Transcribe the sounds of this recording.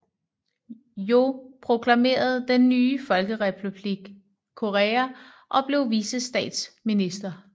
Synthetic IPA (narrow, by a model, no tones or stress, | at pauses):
jo̝pʰʁo̝kʰlæme̝̰ːɐð̞̩ˠd̥enːyːfɒ̽lɡ̥əʁɛpʰub̥liɡ̥ | kʰːo̝ʁɛæ | ʔɒ̽b̥le̝ʊʋiːsəsd̥ɛ̰ːd̥sminisd̥ɐ